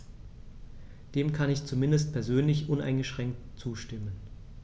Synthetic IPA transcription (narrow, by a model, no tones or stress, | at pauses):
d̥eːmkʰanɪçt͡sumɪndəst̚pʰɛɐzøːnlɪçʔʊnʔa̰ɪnɡəʃʁ̥ɛŋk̚tt͡suːʃtɪmən